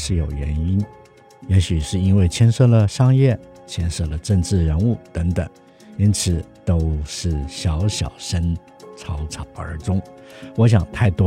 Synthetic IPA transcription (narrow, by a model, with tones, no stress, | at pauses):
ʂɻ̩˥˩jo˨˩ʊɥɛ̰˧˥ni˥n | jɛ˧˥ɕy˨˩ʂɻ̩˥˩i˥nwe˥˩ɪt͡ɕʰjɛ˥nʂɤ˥˩lə˩ʂɑ˥˧ŋjɛ˥˩ | t͡ɕʰjɛ˥nʂɤ˥˩lə˩ʈ͡ʂə˥˧ŋʈ͡ʂɻ̩˥˩ɻə˧˥nu˥˩t̪ə˧˥ŋt̪ə̰˨˩ŋ | i˥nt͡sʰɹ̩˨˩t̪o˥ʊʂɻ̩˥˩ɕjɑ˧˥ʊɕjɑ̰˨˩ʊʂə˥n | t͡sʰɑ˥ʊt͡sʰɑ˨˩ʊə̰˧˥ʈ͡ʂʊ˥ŋwɔ˧˥ɕ̬jɑ˨˩ŋt̪ʰa˥˩ɪt̪wɔ˥